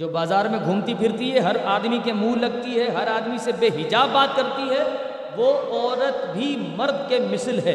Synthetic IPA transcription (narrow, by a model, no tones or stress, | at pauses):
d͡ʒoːbaːzaːɾmẽɡʱũːmt̪ipʰɪɾt̪iɦɛɦɐɾaːd̪mikemuːlɐɡt̪iɦɛɦɐɾaːd̪misebeːɦɪd͡ʒaːbːaːt̪kɐɾt̪iɦɛ | ʋoɔːɾət̪bʱi | mɐɾd̪ʱkemɪslɦɛː